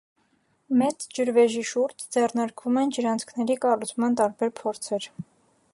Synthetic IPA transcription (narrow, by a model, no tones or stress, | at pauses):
mɛt͡sd͡ʒəɾvɛʒiʃuɾd͡ʒd͡zɛrnɑɾkvumɛnd͡ʒəɾɑnt͡sʰkʰnɛɾikɑrut͡sʰmɑnt̪ɑɾbɛɾpʰɔɾt͡sʰɛɾ